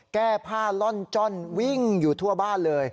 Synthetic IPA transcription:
kɛː˥˩pʰaː˥˩lɔ˥˩nt͡ɕɔ˥˩nwi˥˩ŋjuː˨˩t̪ʰu˥˩ɐbaː˥˩nlɤː˧j

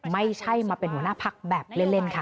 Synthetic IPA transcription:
ma˥˩jt͡ɕʰa˥˩jmaː˧pe˧nhu˩˦ɐnaː˥˩pʰa˦˥k̚bɛː˨˩p̚le˥˩nle˥˩nkʰa˥˩

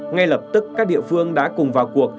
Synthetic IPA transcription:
ŋa˧jlə˨˩p̚t̪ɨ˦˥kːaː˦˥k̚ɗḭ˧˨əfɨ˧əŋɗa̰ː˧˥kʊ˨˩ŋ͡mvaː˨˩wku˨˩ək̚

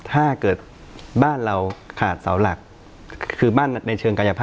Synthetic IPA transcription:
t̪ʰaː˥˩kɤː˨˩t̪̚ | baː˥˩nɾa˧wkʰaː˨˩t̪̚sa˩˦wla˨˩k̚ | kʰɯː˧baː˥˩nna˧jt͡ɕʰɤː˧ŋka˧ja˧pʰaː˥˩

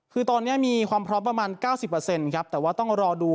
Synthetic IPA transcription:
kʰɯː˧t̪ɔː˧nːi˦˥ɐmiː˧kʰwaː˧mpʰɾɔː˦˥mpɾa˧maː˧nkaː˥˩wsi˨˩pːɤ˧se˧nkʰɾa˦˥p̚t̪ɛː˨˩waː˥˩t̪ɔ˥˩ŋɾɔː˧duː˧

